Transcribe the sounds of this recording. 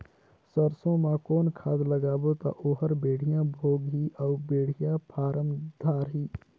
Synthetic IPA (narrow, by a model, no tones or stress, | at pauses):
səɾsõmãkoːnkʰaːd̪ləɡaːbot̪a̰ʔoːɦəɾbeːɽ̤ijãbʱoːɡɦiʔɔːbeːɽ̤ijãpʰaːɾəmd̪̥ʱaːɾɦiː